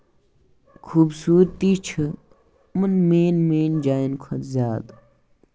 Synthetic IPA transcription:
kʰuːbsuːɾt̪iːt͡ʃʰɨ | mɐnmeːnmeːnd͡ʒaːjnkʰɐt̪zʲaːd̪

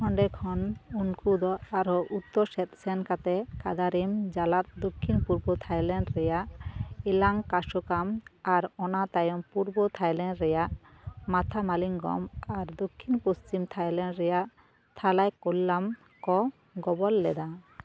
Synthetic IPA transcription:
kʰɔɳɖɛkʰɔnuŋkud̪ɔaɾɔʔut̪ːɔɾsɛt̪sɛnkat̪ɛkad̪aɾimd͡ʒalat̪̚d̪okʰːinpuɾbɔt̪ʰajlɛɳɖɾɛjaʔilaŋkaʃɔkamaɾɔnat̪ajɔmpuɾbɔt̪ʰajlɛnɖɾɛjaʔ | mat̪ʰamaliŋɡɔ̰maɾd̪okʰːinpost͡ʃimt̪ʰajlɛɳɾɛjaʔ | t̪ʰalajkolːam | kɔ | ɡɔbɔlːɛd̪a

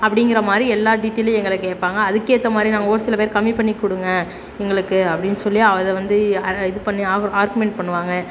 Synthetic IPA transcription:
ɐpːɐɽɪŋɡɪɾɐmaːd̪ɾiɛlːaːɖiʈːeːlɐɛŋɡɐɭɯkːeːʈ̚paːŋɡɐːðɯkːeːt̪ːɐmaːd̪ɾinaːŋɐoːɾɯsɪlɐpeːɾkɐmːipɐɳːikːʊɽɯŋɡɐ | ɛŋɡɐɭɯkːɯɐpːɐɽɪnːɯsɔlːɪjaːɐʋɐðɛʋɐnd̪ɯɐɪðɯpɐɳːiːaːɾɣɯmɛɳʈ̚pɐɳːɯʋaːŋɡɐ

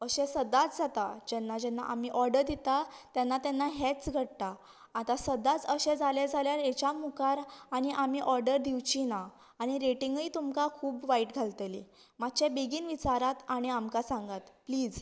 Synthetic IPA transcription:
əɕẽsəd̪at͡sd͡zat̪ad͡ʑɛnːad͡ʑɛnːaʔamiʔɔɾɖəɾd̪it̪at̪janːat̪ɛnːaɦet͡sɡʱəɽt̪a | at̪asəd̪at͡səɕed͡zaled͡zʱaljaɾjet͡ɕjamukaɾaɽ̃iʔamiːʔɔɾɖəɾd̪ʱiwt͡ɕina | aɽ̃iɾeʈiŋɡəjt̪umkakʰuːbʋaiʈɡʱalt̪elḭ | mat̪ːt͡ɕebiɡiːnʋit͡ɕaɾat̪aɽ̃iamkasãŋɡat̪pliːd͡z

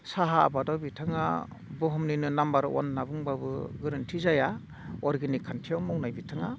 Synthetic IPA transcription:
saɦa̰ːbadɔbitʰaŋa̰ | bɯɦɔmninɯnambaɾ̰wɔ̰nːabɯŋbabɯ̰ɡɯɾɯntʰizaja | ɔɾɡinikʰantʰiawmɔwnajbitʰaŋa

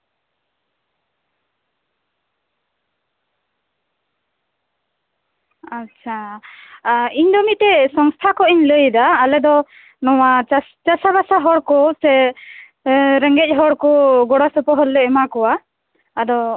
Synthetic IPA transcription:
at͡ʃʰa | iɲd̪ɔmit̪ɛsɔŋst̪ʰakɔiɲləjd̪aːlɛd̪ɔ | nɔwa | t͡ʃasabasaɦɔɽkɔsɛ | ɾɛŋɡɛc̚ˀɦɔɽkɔɡɔɽasɔpɔɦɔlːɛɛmakɔwaː | d̪ɔ

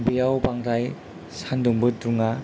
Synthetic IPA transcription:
bijawbaŋɾaj | sanduŋbɯt̚duŋa

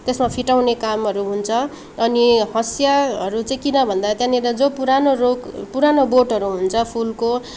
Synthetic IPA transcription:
t̪esmapʰiʈawnekamɦʌɾuɦunt͡sʰʌ | ʌnihʌsjaɦʌɾut͡sʌĩkinʌbʱʌnd̪at̪jãneɾʌd͡zopuɾanoɾokpuɾanoboʈɦʌɾuɦunt͡sʰʌpʰulko

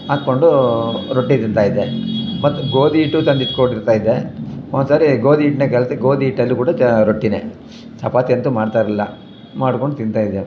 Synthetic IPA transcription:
maːt̪̚ko̞ɳɖuɾoʈːit̪int̪aːjid̪emɐt̪ːuɡoːd̪iːʈːut̪ɐnd̪it̪koɳɖiɾt̪aːjid̪eond̪saːɾiɡoːd̪iːʈnekɛlseɡoːd̪iiːʈːɐlːikuːɽɐɾoʈːinḛ | sɐpaːt̪ent̪umaːɖt̪aːɾɐlːɐ̰ | maːɽkoɳɖut̪ind̪t̪aːjid̪e

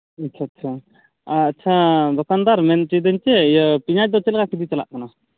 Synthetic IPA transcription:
ɐt͡ʃʰat͡ʃʰa | aːtːt͡ʃʰad̪ɔkand̪aɾmɛnt͡ʃid̪əɲt͡ʃɛjəpiɲaʈ̚d̪ɔt͡ʃɛlɛɡakʰid̪it͡ʃala̰ʔkana

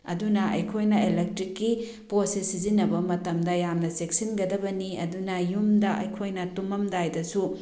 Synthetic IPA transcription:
ɐ̰dunɐɐ̰jkʰojnɐelek̚tɾikːi | posisizinɐbɐmɐtɐmdɐjamnɐsek̚sinɡɐdɐbɐniɐ̰dunɐjumdɐʔɐ̰jkʰojnɐtumɐmdajdɐsu

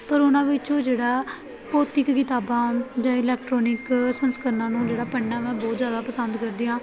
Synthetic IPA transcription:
pəɾʊnãːʋɪt͡ʃõːd͡ʒeːɽaː | poːt̪ɪkːɪt̪aːbãːd͡ʒãːɪlɛːk̚ʈɾɔːnɪksənskəɾnãːnũːd͡ʒeːɽaːpəɳːaːmɛ̃ːbɔːt̪zjaːd̪aːpəsənd̪kəɾd̪iːãː

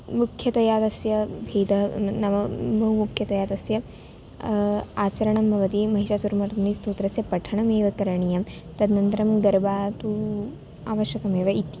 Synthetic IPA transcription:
mukʰːjɐt̪ɐjaːt̪ɐsjɐbʱeːd̪ɐnɐmɐbʱɐɦumukʰjɐt̪ɐjaːt̪ɐsjɐ | aːt͡ʃɐɾɐɳɐmbʱɐʋɐt̪imɐɦiʃaːsuɾɐmɐɾd̪ʱɐnist̪oːt̪ɾɐsjɐpɐʈʰɐɳɐmeːʋɐkɐɾɐɳijɐt̪ɐd̪nɐnt̪ɐɾɐmɡɐɾbaːt̪u | aːʋɐʃjɐkɐmeːʋɐit̪

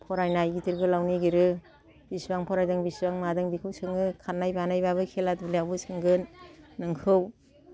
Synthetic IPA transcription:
pʰɔɾajnajɡitiɾɡɯlawniɡiɾɯ | b̥isbaŋpʰɔɾajdɯŋbisbaŋmadɯŋbikʰɯwsɯŋɯkʰanːajbanajbaβɯkʰeladulijabɯsɯŋɡɯnːɯŋkʰɯw

